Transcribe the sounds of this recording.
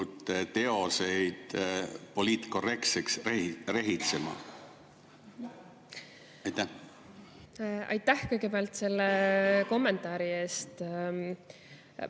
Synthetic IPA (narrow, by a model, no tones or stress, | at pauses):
ut̪ːet̪e̞o̞sejd̪̥po̞liːt̪ko̞re̞kt̪seksrehre̞ɦit̪semɑ̰ | ɑjt̪ːæ | ɑ̰jt̪ːˑæhkɤjɡ̥e̞peɑlt̪se̞lːeko̞mːe̞nt̪ˑɑːɾie̞ːst̪